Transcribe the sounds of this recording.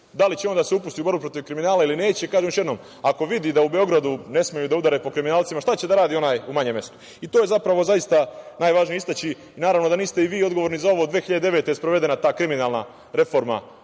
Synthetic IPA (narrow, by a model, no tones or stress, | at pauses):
d̪alit͡ɕeo̞nd̪aseupust̪iubo̞ɾbupɾo̞t̪iʋkɾiminaːlailine̞ːt͡ɕekaːʒemoʃ̬jed̪noːm | ako̞ʋid̪id̪aube̞o̞ɡɾad̪une̞smejud̪aud̪aɾepo̞kɾiminaːlt̪simaʃt̪at͡ɕe̞d̪aɾaːd̪iːo̞naːjumaɲemje̞st̪u̥ | it̪oːje̞zapɾaʋo̞zajist̪anaːjʋaːʒnijeist̪at͡ɕi | naːɾaʋno̞d̪aniːst̪e̞iʋiːo̞d̪ɡo̞ʋoɾnizao̞ʋoːd̪ʋeːxiʎad̪eeʋet̪ejspɾo̞ʋe̞d̪e̞nat̪aːkɾiminaːlna̰ | ɾe̞fo̞ɾma̰